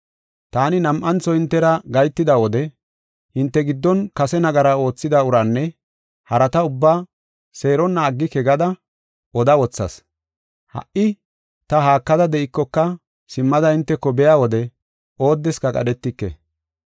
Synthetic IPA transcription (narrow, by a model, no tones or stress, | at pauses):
t̪aːnɪnɐmʔɐnt͡sɔhɪnt̪ːɛɾɐɡɐjt̪ːɪd̪awɔd̪ɛ | hɪnt̪ːɛɡɪd̪ːɔnkɐsɛnɐɡɐɾao̞ːt͡sːɪd̪ɐʊɾɐnːɛ | hɐɾɐt̪ɐʊbːaː | se̞ːɾɔnːɐːɡːɪkɛɡɐd̪ɐ | ʔɔd̪ɐwɔt͡sːɐ̰s | hɐ̰ʔɪ | t̪ɐɦaːkːɐd̪ɐd̪ɛɪkːɔkːɐ | sɪmːɐd̪ɐɪnt̪ːɛkːɔbɛjaːwɔd̪ɛ | o̞ːd̪ːɛskɐkʼɐ̰ɗɛt̪ːɪkːɛ̰